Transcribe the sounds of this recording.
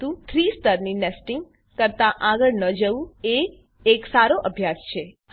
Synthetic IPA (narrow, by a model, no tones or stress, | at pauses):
ũt̪ʰɾist̪əɾninesʈɪŋɡ | kəɾt̪aʔaɡəɭnəd͡ʒəʋũeː | ksaɾoʔəbʱjast͡ʃʰe | h